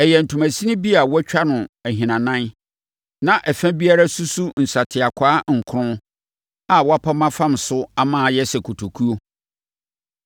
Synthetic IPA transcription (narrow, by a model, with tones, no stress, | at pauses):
ɛ˨jɛ˨n̩˨tʰu˨mæ̃˨sĩ˦nɪ̃˦bi˦a˨wɔ˦t͡ɕᶣa˦nʊ̃˨æ˨ɦĩ˨nã˨nã˦n | nã˦ʔɛ˨fæ̃˦bi˦a˦ɾa˦su˦su˦n̩˨sa˨tʰɪ˨a˨kʷʰaː˦ŋ̩˨kʰʊ˦ʊ̃˦ | a˨wɔ˦a˦pʰa˦mã˦fã˦msʊ˦a˦mãː˦˨jɛ˦sɛ˨kʰo˨tʰo˨kʰu˦o˦